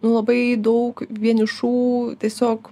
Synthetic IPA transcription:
nʊlˠɐbɐɪd̪ɐʊkʋʲiɛnʲɪʃuːt̪ʲiɛsʲoːk

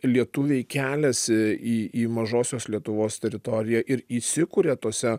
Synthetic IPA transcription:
lʲiɛt̪ʊʋʲɛɪkʲæːlʲɛsiːiːmɐʒoːsʲoːslʲiɛt̪ʊʋoːst̪ʲɛɾʲɪt̪ɔːɾʲɪjæːʔɪɾiːsʲɪkʊɾʲeːt̪oːsʲɛ

